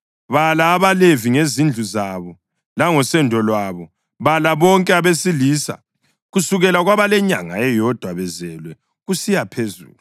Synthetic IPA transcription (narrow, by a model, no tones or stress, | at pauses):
βalaːβaleviŋezind͡ɮʱuzaβɔ | laŋɔsɛndʱɔlwaβɔ | βalaβɔŋkʼɛaβesiliːsa̰ | ɣusuɣɛlaɣwaβalɛɲaŋa̰ɛjɔd̥ʱwaβɛzɛlwɛ | ɣusijapʰezṵːlu